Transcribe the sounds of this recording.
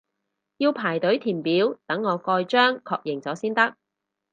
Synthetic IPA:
jiː˧wpʰaː˨˩jt̪ɵ˨˥ɥt̪ʰiː˨˩npiː˨˥wt̪ɐ˨˥ŋːɔː˨˧kɔː˧jt͡ʃœː˥ŋkʰɔː˧k̚jɪ˨˩ŋt͡sɔː˨˥siː˥nt̪ɐ˥k̚

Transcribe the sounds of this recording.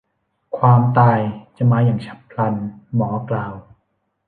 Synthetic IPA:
kʰwaː˧mt̪aː˧jt͡ɕa˨˩maː˧jaː˨˩ŋt͡ɕʰa˦˥p̚kʰla˧nmɔː˩˦klaː˨˧w

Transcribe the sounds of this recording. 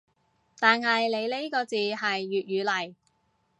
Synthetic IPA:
t̪aː˨nhɐ˨jle˨˧jle˨˥jkɔː˧t͡siː˨hɐ˨jːyː˨t̚ɥyː˨˧lɐ˨˩j

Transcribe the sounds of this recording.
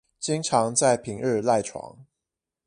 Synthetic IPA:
t͡ɕi˥ŋʈ͡ʂʰɑ˧˥ŋt͡sa˥˩ɪpʰi˨˩ŋə˥˧la˥˩ɪʈ͡ʂʰwɑ̰˧˥ŋ

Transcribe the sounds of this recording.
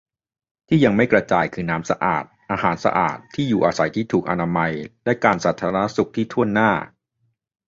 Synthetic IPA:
t̪ʰiː˥˩ja˧ŋma˥˩jkɾa˧t͡ɕaː˧jkʰɯː˧naː˦˥msa̰˧ʔa̰ː˨˩t̪̚ʔaː˧ɦaː˩˦nsa̰˧ʔa̰ː˨˩t̪ʰːiː˥˩juː˨˩ʔaː˧sa˩˦jt̪ʰiː˥˩t̪ʰuː˨˩k̚ʔa˧naː˧ma˧jlɛ˦˥jkaː˧nsaː˨˩t̪ʰːaː˧ɾa˧na˦˥su˨˩k̚t̪ʰiː˥˩t̪ʰu˥˩ənːaː˥˩

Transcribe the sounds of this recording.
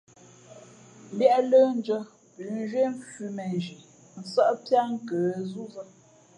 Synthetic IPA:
bjɛ˦ʔlə˦n̩˦d͡ʒə˦ | pʉ˨˦n˦ʒɥwe˦ɱ˦fʉ˨mɛ˨ʒi˨ | n̩˨sə˦ʔpja˦ŋ̩˦kəː˨zu˦zə˦

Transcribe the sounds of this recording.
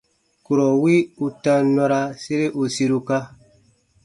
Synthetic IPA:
ku˨ɾɔ˨wi˦u˧tã˦nɔ˧ɾa˧si˦ɾe˦ʔu˨si˧˦ɾu˧ka˦

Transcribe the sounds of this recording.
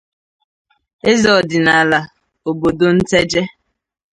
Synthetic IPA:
e˦zɔ˨dɪ˨na˨la˨ | o˨bo˨do˨n̩˦te˦d͡ʒe˦

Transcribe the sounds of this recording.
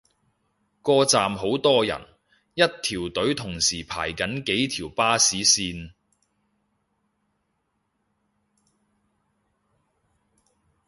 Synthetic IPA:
kɔː˧t͡saː˨mɦo˨˥wt̪ɔː˥jɐ̰˨˩n | jɐ˥t̚t̪ʰiː˨˩wt̪ɵ˨˥ɥt̪ʰʊ˨˩ŋsiː˨˩pʰa̰ː˨˩jkɐ˨˥nke˨˥jt̪ʰiː˨˩wpaː˥siː˨˥siː˧n

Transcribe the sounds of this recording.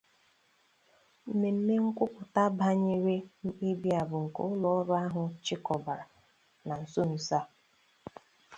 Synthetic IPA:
m̩˨me˨m̩˦me˦ŋ̩˦kʷʊ˦pʊ˨ta˦ba˦ɲe˦ɾe˦m̩˦e˦bi˦a˨bʊ˨ŋ̩˨ko̰˦ʊ˦lɔ˦ɔ˦ɾʊ˦a˦ɦʊ˨t͡ʃɪ˦kɔ˨ba˨ɾa˨ | na˨n̩˨so˦n̩˨sa˦

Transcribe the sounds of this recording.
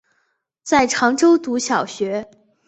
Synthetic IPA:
t͡sa˥˩ɪʈ͡ʂʰɑ˧˥ŋʈ͡ʂo˥ʊt̪u˧˥ɕjɑ˨˩ʊɕɥɛ˧˥

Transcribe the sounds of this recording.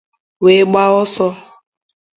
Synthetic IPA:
we˨˦ɡ͡ba˦ɔ˦sɔ˦

